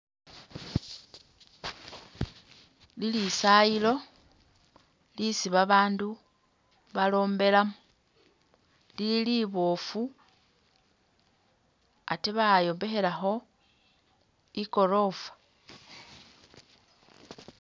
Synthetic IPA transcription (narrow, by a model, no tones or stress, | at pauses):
lilisajilo̞ | lisiβaβaːndu | βalo̞ːmbe̞lamu | lililiβo̞fu | a̰teβajo̞ːmbe̞xe̞laxo̞ | iko̞ɾo̞ːfḁ